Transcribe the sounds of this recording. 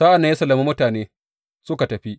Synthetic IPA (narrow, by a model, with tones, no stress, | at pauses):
saː˦ʔa˨nːɐ˦ja˦sɐ˨lːɐ˨mi˦mʊ˦taː˨neː˦ | sʊ˦ka˨tɐ˨ɸi˦ʔ